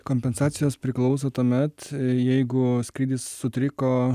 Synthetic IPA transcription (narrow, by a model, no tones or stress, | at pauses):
koːmʲpʲɛnsɑːt̪sʲɪjoːspʲɾʲɪklˠɒʊs̬ot̪uɔmʲɛt̪jɛɪɡʊsʲkɾʲiːd̪ʲɪsːʊt̪ʲɾʲɪkoː